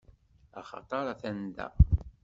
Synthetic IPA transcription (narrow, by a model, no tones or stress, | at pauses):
ɑχɑ̰t̪ˤɑɾˤɑθænd̪æ̰